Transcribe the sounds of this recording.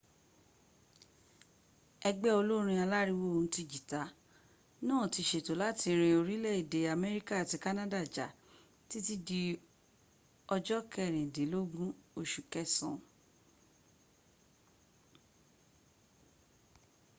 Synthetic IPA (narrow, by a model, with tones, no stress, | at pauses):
ɛ˧ɡ͡bɛ˦o˧lo˦ɾ̃ĩ˧a˧la˦ɾi˦wo˦o˨ũ˧˦ti˧d͡ʒi˨ta˨˦ | nãː˦˨ti˧ʃe˨to˨˦la˦ti˧ɾ̃ĩ˧o˧ɾi˦lɛ˦˨i˨de˨˦a˨mɛ˦ɾi˦ka˦a˨ti˨˦ka˦nã˦da˦˨d͡ʒa̰˨ | ti˦ti˦di˧ | ɔ˧d͡ʒɔ˦kɛ˦˨ɾ̃ĩ˨de˨˦lo˦ɡũ˦o˧ʃu˨kɛ˦˨sɔ̰̃˨